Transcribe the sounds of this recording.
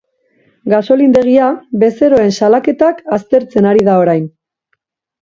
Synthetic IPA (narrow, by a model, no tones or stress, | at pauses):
ɡaso̞lind̪e̞ɣ̞iaβe̞se̞ɾo̞e̞nsalake̞t̪akast̪e̞ɾt͡se̞naɾiðao̞ɾajn